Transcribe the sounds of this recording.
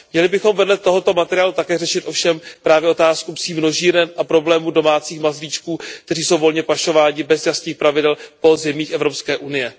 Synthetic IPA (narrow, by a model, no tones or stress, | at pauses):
mɲɛlɪbɪxo̞mvɛdlɛt̪o̞ɦo̞t̪o̞mat̪ɛɾɪaːlut̪akɛːrɛʃɪt̪ʔo̞fʃɛmpɾaːvjɛʔo̞t̪aːskupsiːmno̞ʒiːɾɛnʔapɾo̞blɛːmudo̞maːt͡siːxmazviːt͡ʃkuːk̚t̪ɛr̝iːso̞wvo̞lɲɛpaʃo̞vaːɲɪbɛzjast̪ɲiːxpɾavɪdɛlpo̞zɛmiːxʔɛvɾopskɛːʔunɪjɛ